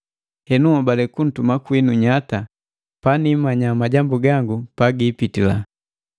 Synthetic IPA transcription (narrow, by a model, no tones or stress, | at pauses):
hɛnuɔbalɛkun̩tumakwinuɲata | panimaɲamaɟambuɡaŋɡupaɡipitila̰